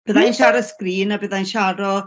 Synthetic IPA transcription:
b̥əðajnʃaɾɔskriːnabəðajnʃaɾɔ

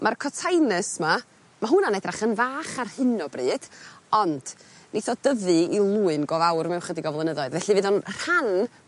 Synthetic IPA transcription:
mʔarkʰɔtʰajnəsma | maɦunanɛdraχənvaːχarhɨnɔbriːd̥ɔnd̥ | nʔiθɔd̥əðɨilˠuːɨnɡɔvawrmɛwχədiɡɔvlˠənəðɔɨðvɛɬivɨːðɔnr̥an

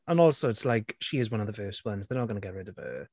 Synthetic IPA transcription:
ə̃nɔlˠsoʊɪtslaɪkʃiɪzwʌ̃nəvðəvɜːˑst̚wʌ̃nzðənəɡʌnəɡɛʔɹɪdəv̥ə̰

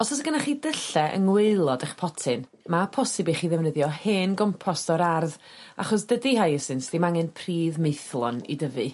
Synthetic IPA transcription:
ɔsɔs̬əɡənaχiːdəɬɛʔə̰ŋweɨlˠɔdəχpʰɔtʰɪn | mapʰɔsɪbiχiːðɛvnəðjɔheːnɡɔmpʰɔstɔɾarð | a̰χɔs̬d̥ədiɦajəsɪnsd̥imaŋɛnpʰriːðmejθlˠɔ̰nḭdəvɨ

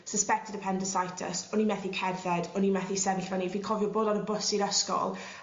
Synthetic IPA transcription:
səspɛk̚tʰɪdəpʰɛndəsajtʰə̰sɔnimɛθikʰɛvɛdɔnimɛθisɛvɪɬvɛnivikʰɔvjɔboːdanəbʊsiɾəskɔ̰lˠ

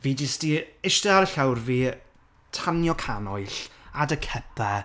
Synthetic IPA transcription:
viːd͡ʒɪstiɪʃtɛaɾəɬawrviː | tʰanjɔkʰanɔɨɬadəkʰɛpʰɛ

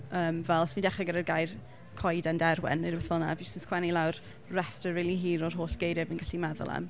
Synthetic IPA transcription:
əːmvɛlˠsmindɛχaɡəɾərɡajr | kʰɔjdandɛɾwɛ̰nəəɛfɔlˠna̰visɪnskʰwɛnilˠawr | rɛstəiːliɦiːɾɔrɦoːɬɡ̥ejɾɪvənɡaɬimɛðʊ̰lˠa̰m

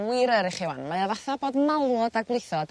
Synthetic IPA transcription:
wɪɾəɾɪχɪwa̰nmajaðaθaboːdmalˠɔdaɡwlˠɪjθɔd̥

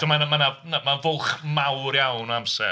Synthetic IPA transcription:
d̥əmanmananamanvʊlˠχmawɾjawnɔamsɛ̰

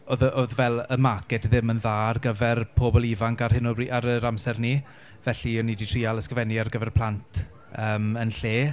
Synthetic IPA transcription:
oðəʔoðvɛlˠəmakɛtðɪmənðaːrɡəvɛrpʰoːbɔlˠivaŋkarhɪnɔiʔaɾəɾamsɛrni | vɛɬiɔniditʰriːalˠəskəvɛniarɡəvɛrpʰl̥ˠantʰ | əːmənɬeː

